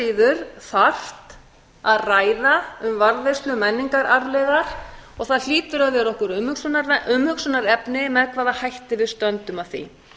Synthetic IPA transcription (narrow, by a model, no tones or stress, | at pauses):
iːðʏɾθaft̪ | aðraːjðaʏmvaɾðvɛst̪lʏmɛnːiŋkaɾaɾlɛɣaɾ̥ɔɣθaðl̥iːt̪ʏɾaðvjɛɾɔhkʏɾmhʏksʏnaɾʏmhʏksʏnaɾɛpnɪmɛðkʰvaːðahajht̪ɪvɪðst̪œnt̪ʏmav̥θḭ